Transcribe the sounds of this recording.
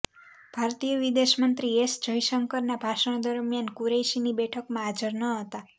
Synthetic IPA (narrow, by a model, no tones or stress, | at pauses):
b̥ʱaɾt̪ijəʋid̪eʃmənt̪ɾiesd͡ʒəiʃəŋkəɾnabʱaʃəɽ̃d̪əɾmjankuɾejʃinibɛʈʰəkmãːd͡ʒəɾnəɦət̪a